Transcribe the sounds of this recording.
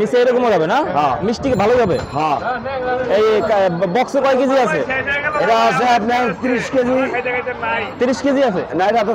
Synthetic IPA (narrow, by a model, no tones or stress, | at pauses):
niseejɾɔkomoɾʱabenaɦãmisʈikebʱalobʱabeɦã | ejkabɔksekɔekid͡ʑiasʰeebaaseapnat̪iɾiʃked͡ʑi | t̪iɾiʃked͡ʑiasʰenajɾat̪